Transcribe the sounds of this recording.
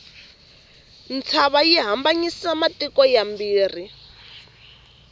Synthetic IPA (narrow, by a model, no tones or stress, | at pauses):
nt͡sʰaβajiɦambaɲisamatikɔjambiːri